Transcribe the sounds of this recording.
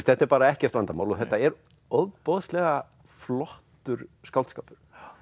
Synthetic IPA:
st̪θɛht̪ɛɾpaːɾaɛhcɪɛft̪vant̪amawlɔθɛht̪ːaɛɾ | oðpɔðst̪lɛɣa | flɔht̪ʏɾskaw̪t̪skaːpʏɾ̥

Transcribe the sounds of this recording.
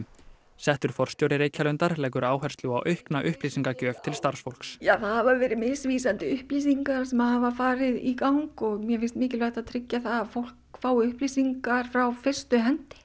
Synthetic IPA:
sɛht̪ʏɾ̥fɔr̥st̪jowɾɪɾeːjcʰalʏnt̪aɾlɛːk̬ʏɾaːwɦɛr̥st̪lua̰wʔœhknaʔʏhpliːsiŋkacœːvt̪ʰɪlst̪aɾ̥sfowl̥ksjaːθaðhavavɛːɾɪmɪsviːsant̪ɪʏhpliːsiŋkaɾ̥sɛmaðhavafaːɾɪðikawŋkɔɣmjɛfɪst̪mɪːcɪlvɛht̪aðt̪ʰɾɪcːaθaðafowl̥kfaːwʏhpliːsiŋkaɾ̥fɾawfɪr̥st̪ʏɦɛnt̪ɪ̥

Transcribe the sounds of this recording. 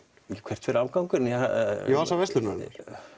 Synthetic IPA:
jɛkʰv̥ɛr̥t̪fɪɾaːvkawŋkʏɾnjɛajɛasavɛst̪lʏɾnaɾ̰ɾ

